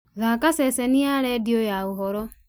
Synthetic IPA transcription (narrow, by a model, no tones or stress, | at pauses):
ɣakaseseniaɾɛdiojauɦɔɾɔ